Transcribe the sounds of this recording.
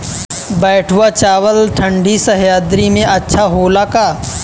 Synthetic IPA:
bɛːʈʰwat͡ʃaːʋəlʈʰə̃ɳɖisɐɦjaːd̪ɾimẽʔɐtːʃʰaɦoːlakaː

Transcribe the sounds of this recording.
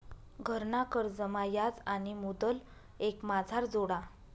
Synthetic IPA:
ɡʱəɾɳakəɾd͡zəmajad͡zañimud̪əl | ekmad͡zʱaɾd͡zoɽa

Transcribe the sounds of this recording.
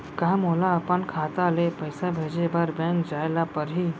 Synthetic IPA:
kamɦolaəpənkʰat̪alepəjsabʱed͡ʒebaɾbɛ̃ŋkd͡ʒajlapəɾɦi

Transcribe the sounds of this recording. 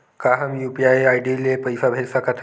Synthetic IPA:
kaɦəmjupiajajɖilepəjsabʱelsəkət̪ʰ

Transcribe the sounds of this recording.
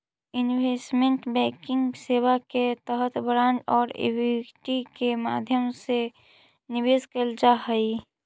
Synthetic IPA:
ɪnwesmẽɳʈbɛ̃ːkɪ̃ŋɡseːwaket̪əɦət̪ʰbɾãːnʈɔːɾḛwiʈikema̰ːd̪ʱjəmse | nɪʋeːskəld͡ʒaɦəi

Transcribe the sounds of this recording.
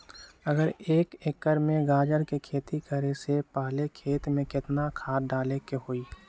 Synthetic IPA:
əɡəɾeːkɪkːəɾmẽɡaːd͡ʒəɾkekʰeːt̪ikʰəɾesepaːlekʰeːt̪mẽkɪt̪nakʰaːɖaːlekeɦoːiː

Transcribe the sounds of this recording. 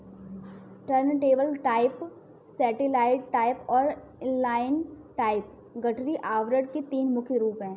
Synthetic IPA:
ʈəɾnʈeːbəlʈaːɪp | sɛːʈɪlaːɪɖʈaːɪpɔːɾ | laːɪn | ʈaːɪp | ɡɐʈɾiʔaːʋɾəɖket̪iːnmʊkʰɾuːpɦɛ̃ː

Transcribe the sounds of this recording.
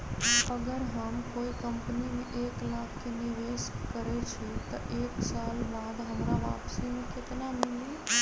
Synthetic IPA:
əɡəɾɦəmkoːikəmpnimẽʔeːklaːkʰːenɪʋeːʃkəɾɛt͡ʃʰit̪ɐʔeːksaːlbaːd̪ɦɐmɾaʋa̰ːpsimẽkɪt̪namɪli

